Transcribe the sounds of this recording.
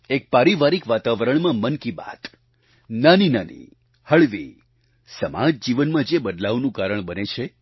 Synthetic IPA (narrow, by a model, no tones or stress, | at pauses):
ek̚paɾiʋaɾikʋat̪aʋəɾəɳmãmənkiba̰t̪ | naninanḭ | həɭʋḭ | səma̰d͡ʒd͡ʒiʋənmãd͡ʒebəd̪laʋnũkaɾəɳbənet͡ʃʰe